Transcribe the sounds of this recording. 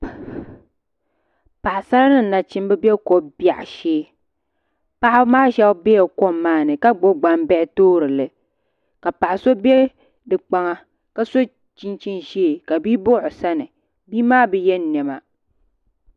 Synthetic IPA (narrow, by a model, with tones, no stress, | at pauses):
pa˨ʔsa˦ɾa˦nɨ˦n̩˨na˨t͡ʃɪ˦m˦bɛ˦bɛ˦ko˨bja˨ʔʃeː˦ | pa˦ʔɪ˦maː˦ʃɛ˦bbɛ˦jɛ˨ko˦mːaː˦˨nɨ˨ka˦ɡ͡bo˦ɡ͡ba˦mbɛ˦ʔɪ˦toː˦ɾɨ˨lɨ˨ | ka˨pa˨ʔɪ˨so˦bɛ˦ | dɨ˨k͡pa˦ŋa˦ | ka˦so˦ | t͡ʃi˦nt͡ʃi˦nʒeː˦˨ka˨bi˦bʊ˦ʔʊ˨sa˦nɨ˨ | biː˦maː˦bɨ˨jɛ˦n˦nɛ˨ma˨